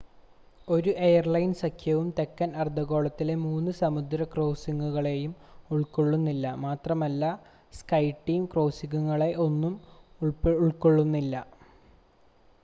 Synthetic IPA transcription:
o̞ɾuʔe̞jɐrlɐjnsɐkʰjɐʋumt̪e̞kːɐnɐrd̪ʱɐɣo̞ːɭɐt̪ːile̞muːnːɨsɐmud̪ɾɐkro̞ːsiŋɡuɣɐɭe̞jumuɭko̞ɭːunːilːɐmaːt̪rɐmɐlːɐ | skɐjʈːijumkro̞ːsiŋuŋːɐɭe̞ʔo̞nːumuɭpuɭko̞ɭːunːilːɐ

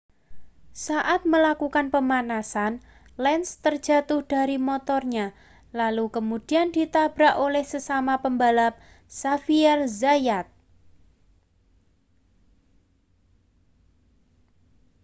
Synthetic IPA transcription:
saʔat̪̚məlakukanpəmanasan | lɛnst̪ər̥d͡ʒ̥a̤t̪ʊhd̥a̤ɾimot̪ɔrɲa | lalukəmud̥i̤andit̪ab̥ɾaʔolɛhsəsamapəmbalap̚ | safiɛrzajat̪̚

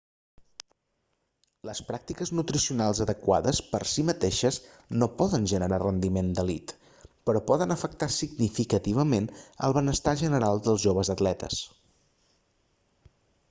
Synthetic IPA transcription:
ləspɾak̚t̪ikəznut̪ɾisiunalˠzəðəkwa̰ðəspəɾsimət̪eʃəz | nopɔðənʲʒənəɾarənd̪imend̪əlit̪ | pəɾɔpɔðənəfək̚t̪asiɡnifikət̪iβ̞əmenə̰lˠβənəst̪aʒənəɾalˠd̪əlˠzʒoβ̞əzət̪lɛt̪ə̰s

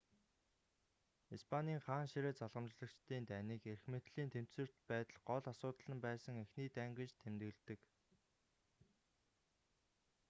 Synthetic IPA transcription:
ispʰaniːŋχaːnʃiɾeːt͡saɮʁə̆mt͡ɕɮə̆kt͡ɕt̪iːnt̪ʰæniːkerxmĕt̪ɮiːnt̪ʰem̥t̪sɘ̆r̥t̪pæːt̪ə̆ɮɢɔɮasʊːt̪ə̆ɮə̆mpæːsə̆ŋexniːt̪æːŋɡĕt͡ɕt̪ʰemt̪ɘ̆ɮt̪ɘ̆k

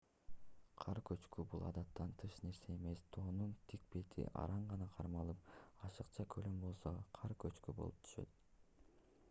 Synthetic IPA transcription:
qʰɑɾkøt͡ʃkybulˠɑ̰d̪ɑt̪ːɑnt̪ʰɯʃne̞ɾse̞ːme̞st̪ʰo̞ːnunt̪ʰik̚pe̞t̪ʰḭʔɑ̰ɾɑɴʁɑnɑqʰɑɾmɑlˠɯp̚ɑʃɯqt͡ʃɑkʰølømbo̞lˠso̞qʰɑɾkøt͡ʃkybo̞̰lˠup̚t̪ʰy̥ʃø̞̰t̪

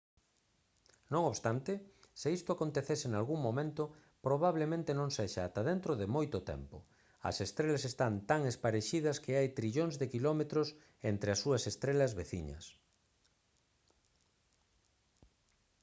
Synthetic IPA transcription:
nõŋoβst̪ant̪ɪsɪist̪ʊakont̪eθesɪnalɣuŋmõmẽnt̪ʊ | pɾoβaβlemẽnt̪ɪnõŋseʃaːt̪ɐðent̪ɾoðɪmojt̪ʊt̪ɛ̰mpʊ | ɐ̰sest̪ɾelɐsest̪ant̪aŋespaɾeʃiðɐskeajt̪ɾiʎoŋzðekilɔmet̪ɾʊs | ent̪ɾeɐsuɐsest̪ɾelɐzβeθḭɲɐ̰s

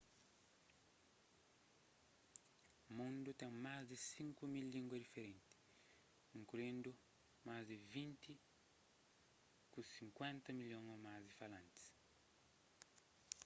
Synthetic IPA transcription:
mũnd̪ut̪ẽŋmazd̪ɪsĩŋkumilːĩŋɡwɐd̪ifeɾẽnt̪ɪ̥ | ĩŋkulĩnd̪ʊ | mazd̪ɪvĩnt̪ɪ | kũsĩŋkwẽnt̪ɐmilõŋomazd̪ɪfalãnt̪i̥s

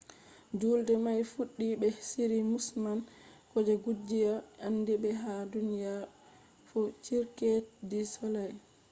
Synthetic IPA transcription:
d͡ʒuːldɛmajfuɗːibɛsiɾimusmankɔd͡ʒaɡud͡ʒːijaʔanːdibɛɦadunija | fɔt͡ʃiɾkɛdisɔlaj

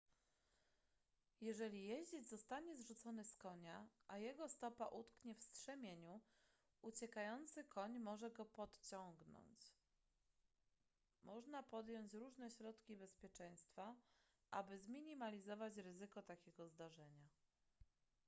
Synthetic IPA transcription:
jɛʐɛlʲijɛʑd͡ʑed͡ʑzɔst̪aɲɛzʐut̪sɔnɘskɔɲaʔajɛɡɔst̪ɔpa̰ʔut̪kɲɛfstʂɛmʲjeɲu | ut͡ɕɛkajɔnt̪sɘkʰɔɲmɔʐɛɡɔpɔt̪t͡ɕɔŋɡnɔ̰ɲt͡ɕ | mʔɔʐnapɔd̪jɔɲt͡ɕɾuʐnɛɕɾɔt̪kʲibɛspʲjɛt͡ʂɛ̃j̃st̪fa | ʔa̰bɘzmʲiɲimalʲizɔvat͡ɕɾɘzɘkɔt̪akʲɛɡɔzd̪aʐɛɲa

